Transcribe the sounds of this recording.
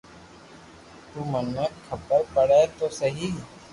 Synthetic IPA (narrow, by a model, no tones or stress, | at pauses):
t̪uːmənːəkkʰəpəɾpəɽet̪osəɦiː